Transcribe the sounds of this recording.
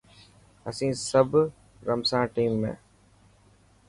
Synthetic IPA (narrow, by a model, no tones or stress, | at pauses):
ɐsĩːsəb | ɾəmsãːʈiːmːḛ̃ː